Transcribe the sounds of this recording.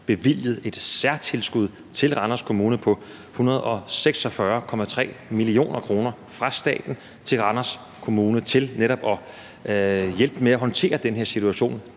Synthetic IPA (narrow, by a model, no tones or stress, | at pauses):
b̥e̝ʋil̰jəð̞̩ˠe̝d̥sæɐ̰t͡sʰe̝lsɡ̥uð̞̰ˠ | t͡sʰe̝lʁɑ̈nɐskʰo̝muːnəpʰɒ̽ | hunɐð̞̩ˠɒ̽seɡ̥sɒ̽fɶɐkʰɒ̽mæt͡sʰʁɛ̰ːmilio̝̰ːnɐkʰʁo̝ːnɐ | fʁɑ̈sd̥ɛ̰ːd̥n̩ | t͡sʰe̝lʁɑ̈nɐs | kʰo̝muːnət͡sʰe̝lneɾɒ̽b̥ɒ̽ | jel̰b̥meæɦɒ̽nt͡sʰe̝̰ːɐd̥enɦeɐsit͡sʰuæɕo̝̰ːn